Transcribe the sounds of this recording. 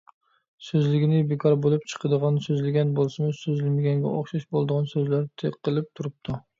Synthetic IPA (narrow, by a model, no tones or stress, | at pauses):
søzlɪɡʲinɪbekʰɑɾbolˠɨp̚t͡ʃʰə̥qʰəd̪əʁɑnsøzlɪɡʲɛnbolˠsɨmɨsøzɪlɪmɪɡʲɛnɡʲɛ̰ʔoχʃɑʃbolˠd̪əʁɑnsøzlæɾt̪ʰeqːəlˠɪp̚t̪ʰuɾɨp̚t̪ʰu